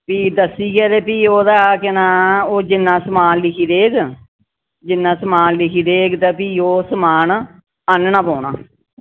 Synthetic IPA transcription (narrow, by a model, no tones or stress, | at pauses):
piːd̪əsːiːɡɛːd̪eːpiːoːd̪aːkɪnãːoːd͡ʒɪnːãːsəmaːnlɪkʰiːd̪eːɡ | d͡ʒɪnːãːsəmaːnlɪkʰiːd̪eːɡt̪aːpiːoːsmaːn | ənnãːpoːɳaː